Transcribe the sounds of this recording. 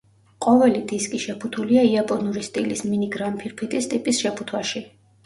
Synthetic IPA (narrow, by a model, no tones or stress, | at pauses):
qʼɔvɛlid̪iskʼiʃɛpʰut̪ʰuliaiapʼɔnuɾist̪ʼilisminiɡɾampʰiɾpʰit̪ʼist̪ʼipʼisʃɛpʰut̪ʰwaʃi